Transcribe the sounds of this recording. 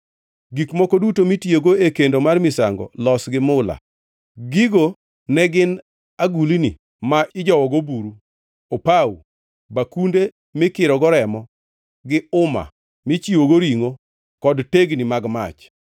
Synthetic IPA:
ɡikmɔkɔdutomitjoɡoekendomarmɪsaŋɡɔ̰lɔsɡɪmʊla̰ | ɡiɡo | nɛɡɪn | aɡulini | maʔɪd͡ʒɔwɔɡobuɾu | opaw̰ | bakunde | mɪkɪɾɔɡɔɾɛmɔ | ɡɪʊma̰ | mɪt͡ʃiwoɡoɾiŋo | kɔdteɡnimaɡma̰t͡ʃ

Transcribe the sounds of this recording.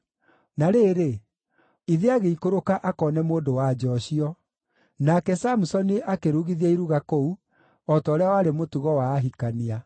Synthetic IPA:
naɾeːɾe | iðeaɣeikoɾokaʔakɔːnɛmoːdowad͡ʒɔɕiɔ | nakɛsamusɔniʔakeɾuɣiðiaiɾuɣakɔu | ɔtɔːɾɛawaːɾemotuɣɔwaːɦikania

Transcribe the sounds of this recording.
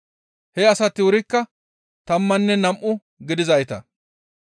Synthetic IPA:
hɛɐsɐt̪ːɪwʊɾɪkːɐ | t̪ɐmːɐnːɛnɐmʔʊ | ɡɪd̪ɪzɐjt̪ɐ

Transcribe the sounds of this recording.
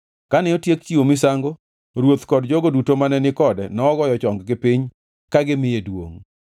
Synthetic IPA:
kanɪotjekt͡ʃiwomɪsaŋɡo | ɾwot̪kɔdd͡ʒoɡodutomanɛnɪkɔdɛnɔːɡɔjɔt͡ʃɔŋɡɡɪpɪɲ | kaɡɪmɪjedwo̰ŋ

